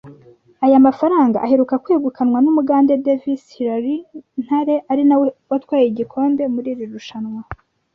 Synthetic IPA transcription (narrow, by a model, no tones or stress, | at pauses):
ajamafaɾaːŋɡaʔːheɾukakweːɡukʰanwanumuɡaːnde̞de̞visiɾaɾin̥haɾe̞ʔaɾinawwatwaːjeiɟikʰo̞ːnde̞muɾiːɾiɾuʃanwa